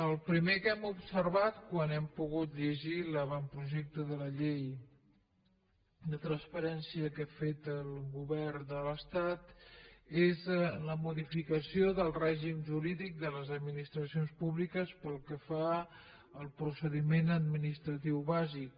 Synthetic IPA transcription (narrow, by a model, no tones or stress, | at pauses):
əlˠpɾimekɛmupsərβat̪kwanɛmpuɣut̪ʎəʒiləβampɾuʒɛk̚t̪əðələʎej | lət̪ɾənspəɾɛnsiəkafet̪əlˠɣuβɛrd̪ələst̪at̪ | ezləmuðifikəsioðəlˠrɛʒimʒuɾiðik̚d̪ələzəd̪minist̪ɾəsionspuβlikəspəlˠkəfa | əlˠpɾusəðimenəd̪̚minist̪ɾət̪iwβazik̚